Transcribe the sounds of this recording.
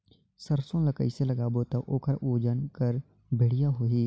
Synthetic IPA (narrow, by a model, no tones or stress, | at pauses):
səɾsõːləkəiseləɡaːbot̪aʔoːkəɾʔoːd͡ʒənkəɾ | bʱɪɽ̤ɪjaːɦoːiː